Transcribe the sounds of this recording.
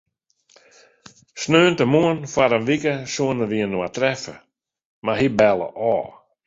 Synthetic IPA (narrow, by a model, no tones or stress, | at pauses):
snøːntəmuənfaɾənvikəsuənəʋiənːoatɾɛfə̰ | maɦibɛlˠə̰ʔɔː